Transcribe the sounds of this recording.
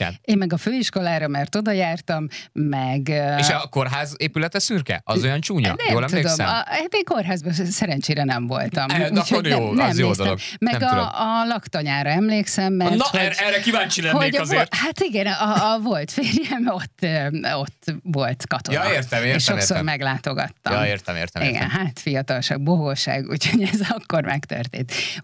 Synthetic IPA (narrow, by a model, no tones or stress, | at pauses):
ɛ̰leːmmɛɡɒføːiʃko̞laːɾɒmɛrt̪o̞d̪ɒjaːrt̪ɒmːɛɡeʃɒko̞rɦaːzeːpylɛt̪ɛsyrkɛ̰ʔɒ̰zojɒnt͡ʃuːɲɒ̰d̪ɛjoːlɛmt̪ueːd̪omsɛ̰aːt̪eːŋko̞rɦaːzbɒsɛɾɛnt͡ʃeːɾɛnɛɱvo̞̰lt̪ɒmuchoɛnmjeːsd̪oloɡmɛɛmɡɒːlɒkt̪oɲaːɾɒɛmleːksɛmːɛrnɛrːɛkivaːnt͡ʃilɛhozerhat̪iɡɛnɒvo̞lt̪feːrjɛmo̞t̪ːøo̞t̪ːvo̞lt̪kɒt̪ojeːrt̪ɛeeːʃʃo̞ksormɛɡlaːt̪oɡɒ̰t̪ːɒj̰eːrt̪ɛmḛːrt̪ɛḭɡɛ̰nɦaːt̪fijɒt̪ɒlʃa̰ːɡ̚boɡoʃa̰ːɡṵːcho̞ɟɛzɒkːo̞rmɛ̰kt̪ø̰rt̪ḛːnt̪